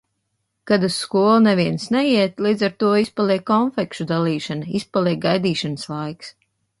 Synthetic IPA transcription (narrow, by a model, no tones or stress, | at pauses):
kad̪ɨsːkuɔlˠnɛviɛnsnɛjiɛt̪lˠiːd̪zaɾt̪uɔispalˠiɛkːɔnfɛkʃud̪alˠiːʃanispalˠiɛk̚ɡajd̪iːʃanɨslˠajks